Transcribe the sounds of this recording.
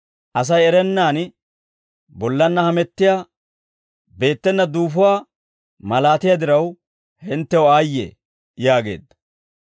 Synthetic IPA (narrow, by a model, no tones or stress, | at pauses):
ʔɐs̬ɐjɛɾɛnːaːn | bɔlːɐnːɐhɐmɛt̪ːɪjaː | be̞ːt̪ːɛnːɐd̪uːfʊwaː | mɐlaːt̪ɪjad̪ɪɾɐw | hɪnt̪ːɛwɔaːjːḛ | jaːɡe̞̰ːd̪ːɐ̥